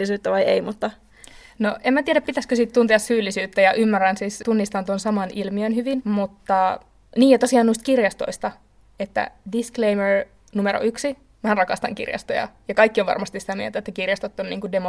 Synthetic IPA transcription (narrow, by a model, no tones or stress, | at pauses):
isyːt̪ːæʋɑjḛimut̪ːɑ | noʔemmæt̪ieɾæpit̪æskøsiːt̪t̪unt̪eɑssyːlːisyːt̪ːæjɑʔymːærːænsiːst̪unːist̪ɑnt̪onsɑmɑnʔilmiønhyʋinmut̪ːɑ | niːjɑt̪osiɑːnuist̪̚kirjɑst̪o̰ist̪ɑ | et̪ːæ̰disklejmer | numeɾo̰ʔyksi | mænrɑkɑst̪ɑ̰ŋkḭrjɑ̰st̪o̰jɑ̰jɑkɑjkːioʋɑ̰rmɑst̪isit̪æmiḛlt̪æet̪ːækirjɑst̪ot̪ːonniːŋkudemo